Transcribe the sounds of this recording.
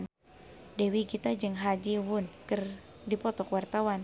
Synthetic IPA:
n | dɛwikit̪ad͡ʒɨŋɦad͡ʒiwʊnkɨrdipɔt̪ɔkwart̪awan

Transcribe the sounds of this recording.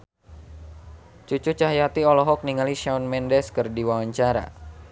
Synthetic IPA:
t͡ʃut͡ʃut͡ʃaɦjat̪iɔlɔɦɔk̚niŋaliʃaɔnmɛndɛskərdiwawaɲt͡ʃaɾa̰

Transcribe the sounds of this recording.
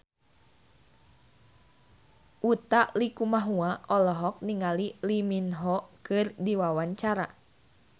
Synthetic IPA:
ʔut̪aʔlikumaɦuaʔɔlɔɦɔk̚niŋaliliminɦɔkɨrdiwawaɲt͡ʃaɾa̰

